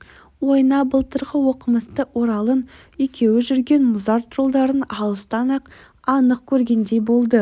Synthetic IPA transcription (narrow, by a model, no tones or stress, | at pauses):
wo̞jnɑbəlˠt̪əɾʁəwo̞qəməst̪əwo̞ɾɑlˠən | ekʲe̞wɪʒʏɾɡʲe̞nmʊzɑɾt̪ʰɾolˠd̪ɑɾənɑlˠəst̪ɑnɑq | ɑnəq̚kʲʰɵɾɡʲe̞nd̪ejbo̞lˠd̪ə